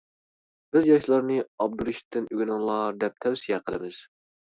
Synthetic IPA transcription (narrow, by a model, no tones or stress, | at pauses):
bɪzjɑʃlˠɑɾnɨɑb̚d̪uɾiʃt̪ʰːɪnyɡʲinɨŋlˠɑd̪ɛp̚t̪ʰɛwsijɛqʰəlˠɨ̰mɪz̥